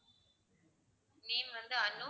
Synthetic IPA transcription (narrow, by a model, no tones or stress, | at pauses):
niːmʋɐnd̪ɯɐnːɯ